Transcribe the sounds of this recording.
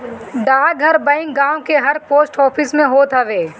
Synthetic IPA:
ɖaːɡʱɐɾbɐ̃ɪ̃ŋkɡãːwkeɦɐɾpoːsʈɔːpʰɪsmẽɦoːt̪ɦɐʋeː

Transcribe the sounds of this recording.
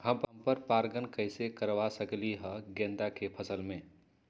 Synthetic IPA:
ɦəmpəmpəɾpaɾɡənkəɪsekəɾʋasəkliɦəɡẽnd̪akepʰəsəlme

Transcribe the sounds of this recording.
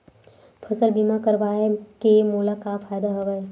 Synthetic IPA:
pʰəsəlbimakəɾʋaːekemuːlakafaːjd̪aɦɐʋae

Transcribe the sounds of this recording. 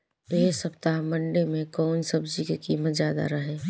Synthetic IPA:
eɦsəpt̪aɦmə̃ɳɖemẽkɔːnsəbd͡ʒikekiːmət̪zjaːd̪a̰ɾəɦeː

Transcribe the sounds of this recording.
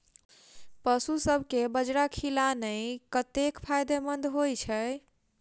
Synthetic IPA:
pəsusəbʱkebəd͡ʒɾakʰilanəjkət̪ekpʰajd̪emənd̪ɦojt͡ʃʰəj

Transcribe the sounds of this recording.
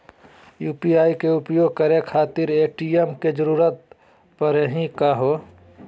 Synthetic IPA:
juːpiaːikeʊpjoːɡ̚kəɾekʰaːt̪ɪɾeːʈiemked͡ʒəɾuːɾət̪̚ | pəɾəɦĩkaɦoː

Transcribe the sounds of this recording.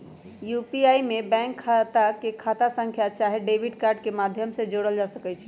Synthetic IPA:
jupiaimebɛ̃ŋkʰːat̪akekʰat̪asə̃ŋkʰjat͡ʃaɦeɖebʱiɖkaɾɖkemad̪ʱjəmsẽd͡ʒoɽəld͡ʒasəkɛt͡ʃʰi̥

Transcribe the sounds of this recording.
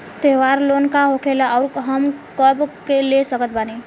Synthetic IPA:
t̪eʋaɾlonkaɦokʰelaaʊɾɦəmkəbkelesəkət̪̚bani

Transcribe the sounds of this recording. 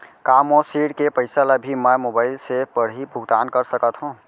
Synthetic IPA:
kamosiɽkepəɪsalabʱimɛmobaːɪlsepəɽ̤ɦibʱuɡd̪aːnkəɾsəkət̪ɦũ

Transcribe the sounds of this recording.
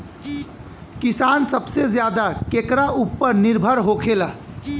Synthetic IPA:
kɪsaːnsəbsezjaːd̪akeːkɾaʔupːəɾnɪɾbʱəɾɦoːkʰeːlaː

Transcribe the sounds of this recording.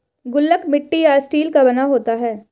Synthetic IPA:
ɡʊlːəkmɪʈːijaɪsʈiːlkabɐnaɦoːt̪aɦɛː

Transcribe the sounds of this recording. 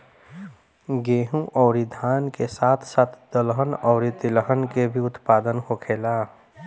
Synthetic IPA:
ɡeːɦũʔɔːɾid̪ʱaːnkesaːt̪ʰsaːt̪ʰd̪̥əlɦənɔːɾit̪ɪləɦənkebʱiʊt̪paːd̪ənhokʰeːlaː

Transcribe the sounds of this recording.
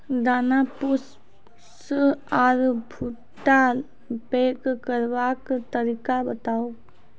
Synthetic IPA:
d̪aːnapʊs | saːɾbʱu | ʈa | peːkkəɾbakt̪əɾikabət̪aːo

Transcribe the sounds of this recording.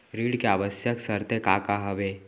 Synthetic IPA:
ɾiːɽkeaʋəsjəksəɾt̪ekaːkaɦəʋeː

